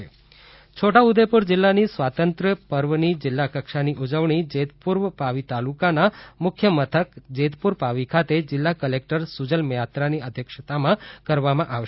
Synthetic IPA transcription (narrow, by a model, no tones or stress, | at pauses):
e | t͡ʃʰoʈaud̪epuɾd͡ʒɪlːanisʋat̪ənt̪ɾəpəɾʋənid͡ʒɪlːakəkʃaniʔud͡ʒəʋɳid͡ʒet̪puɾʋpaʋit̪alukanamʊkʰjəmət̪ʰəkd͡ʒet̪puɾpaʋikʰat̪ed͡ʒɪlːakəlek̚ʈəɾsud͡ʒəlmjat̪ɾaniəd̪ʱjəkʃət̪amãkəɾʋamãʔaʋʃ